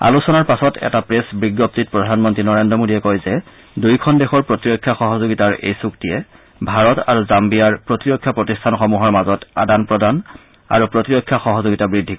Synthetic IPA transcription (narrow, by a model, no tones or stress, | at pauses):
a̰lusɔnaɹpasɔtɛ̰tapɹesbɹiɡːɔp̚tit̚pɹɔdʱanmɔntɹinɔɹendɹɔmodiɛkojzɛ | dujkʰɔndexɔɹpɹotiɹɔkʰːjaxɔɦɔzoɡitaɹḛjsuktijɛ | bʱaɹɔtaɹuzambijaɹpɹotiɹɔkʰːjapɹotistʰanxɔmuɦɔɹmazɔtadanpɹɔdan | a̰ɹupɹotiɹɔkʰːjaxɔɦɔzoɡitabɹidʱːikɔ